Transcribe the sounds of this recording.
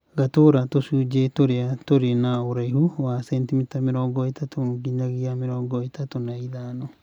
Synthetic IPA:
ɡatoɾatosuːd͡ʒetoɾeatoɾenaoɾaihuwasɛntimitamiɾɔɡɔetatomuɡiɲaɣiamiɾɔŋɡɔetatonaiðanɔ

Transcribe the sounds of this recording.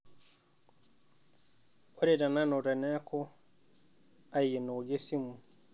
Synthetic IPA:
ɔɾɛdananɔɾɛnɛkʰɔ | ajɛnɔd͡ʒesimu

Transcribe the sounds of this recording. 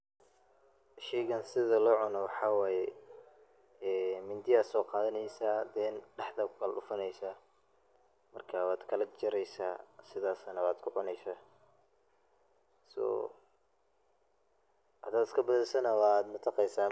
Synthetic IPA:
ʃɛjɣɐnsɪðɐlɔʕʊnɔwɑħɑːwaːjɛ | ɛːmɪnd̪ɪaːsɔːqɑːðɐnɛjsaːd̪ɛːnɖɛħd̪ɐbkʰɐːlɖʊfɐnɛjsaː | mɐrkʰaːwaːd̪kʰɐlɐt͡ʃɐɾɛjsa̰ːsɪðaːsɐnɐwaːd̪kʰʊʕʊnɛjsaː | sɔ̰ː | hɐd̪aːd̪ɪ̥skʰɐbɐðɛsɐnɐwɑːd̪mɐt̪ʰɑqɛjsaː

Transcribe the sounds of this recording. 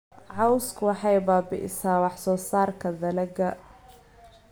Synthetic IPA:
ʕɑwskʰʊwɑħɑjbaːbɪ̰ʔɪ̰saːwɑħsɔːsaːrkʰɐðɐlɐɡɐ

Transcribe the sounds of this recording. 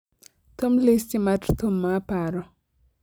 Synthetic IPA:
t̪omlist͡ʃimatrt̪omːapaɾɔ

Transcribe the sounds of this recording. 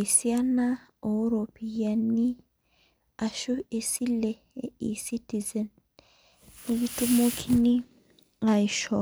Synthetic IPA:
sɪjɐnːɐoɾopɪjɐnːɪ | ʔɐʃʊɛsɪlːɛ | ʔiːsɪt̪ːɪzɛn | ɪɡɪt̪ːʊmokʰɪnːɪ | ɐjʃɔ

